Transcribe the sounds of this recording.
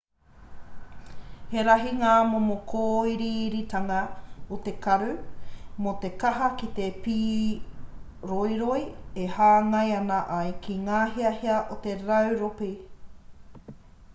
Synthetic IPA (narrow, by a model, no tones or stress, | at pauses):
heɾɐɦiŋaːmomokʰoːiɾiɾit̪ɐŋɐot̪e̞kɐɾʉmot̪e̞kɐɦɐkit̪epiː | ɾojɾojehaːŋɐjɐnɐʔɐjkʰiŋaːɦiɐheɐʔot̪e̞ɾɐwɾopi